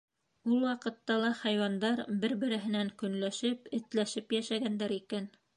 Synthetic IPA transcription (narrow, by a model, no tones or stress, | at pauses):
ulˠwɑqɤ̆t̪ːɑlˠɑχɑjwɑnd̪ɑɾbɘɾbɘ̆ɾɘ̆ɦɘ̆næŋkɵ̆nlæʃɘpɘ̆t̪læʃɘpjæʃæɡænd̪æɾikæn